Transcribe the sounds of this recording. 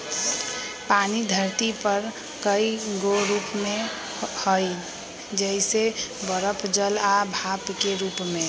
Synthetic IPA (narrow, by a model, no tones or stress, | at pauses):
paːnid̪ʱəɾt̪ipəɾ | kəiɡoɾuːpmẽ | hoi | d͡ʒɛɪsebəɾəpʰd͡ʒəlabʱapkeɾuːpmẽ